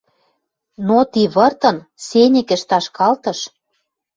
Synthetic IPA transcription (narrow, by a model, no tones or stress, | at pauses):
not̪iβɤ̆rt̪ɤ̆n | senʲɘ̆kɘ̆ʃt̪ɑʃkɑlt̪ɤ̆ʃ